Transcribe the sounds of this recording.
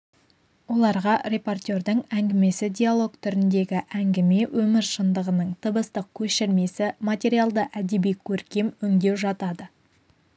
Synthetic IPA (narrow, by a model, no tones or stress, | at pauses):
wo̞lˠɑɾʁɑɾʲe̞po̞rt̪ʲe̞ɾd̪əŋæŋɡʲɪme̞sɪd̪ʲijalˠo̞kt̪ʰʏɾɪnd̪e̞ɡʲɪʔæŋɡʲɪme̞wʔɵmɪɾʃənd̪əʁənəɴt̪ʰəbəst̪əq̚kʲʰɵʃɪɾme̞sɪmat̪ʲe̞ɾijalˠd̪əʔæd̪e̞bijkʲʰɵɾkʲe̞mʏŋd̪e̞wʒɑt̪ɑd̪ə